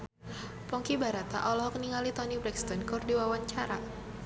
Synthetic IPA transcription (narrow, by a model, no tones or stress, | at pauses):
pɔŋkibaɾat̪a̰ʔɔlɔɦɔkniŋalit̪ɔnibɾɛkst̪ɔnkurdiwawaɲt͡ʃaɾa